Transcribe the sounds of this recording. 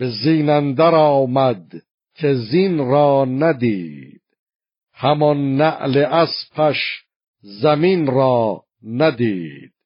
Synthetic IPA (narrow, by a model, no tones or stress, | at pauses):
b̥eziːnænd̪æɾɒːmæd̪ | cʰezinɾɒːnæd̪iːd̪̥̚ | hæmɒnːæʔleʔæspʰæʃ | zæminɾɒː | næd̪iːd̪̥̚